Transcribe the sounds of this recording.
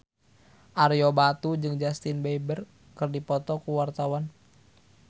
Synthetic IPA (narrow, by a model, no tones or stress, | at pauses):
ʔarijɔbat̪ud͡ʒɨŋd͡ʒast̪inbeibər | kɨrdipɔt̪ɔkuwart̪awan